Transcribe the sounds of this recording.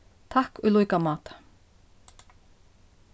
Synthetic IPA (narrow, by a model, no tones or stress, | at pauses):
t̪ʰahkʏlujkamaːt̪